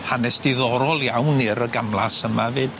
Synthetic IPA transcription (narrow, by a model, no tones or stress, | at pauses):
hanɛsd̥ɪðɔɾɔlˠjawnɪɾəɡamlˠa̰səmavɨːd̥